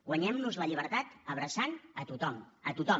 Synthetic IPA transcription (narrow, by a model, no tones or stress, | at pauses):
ɣwəɲɛmnuzləʎiβəɾt̪at̪əβ̞ɾəsanət̪ut̪ɔmət̪ut̪ɔ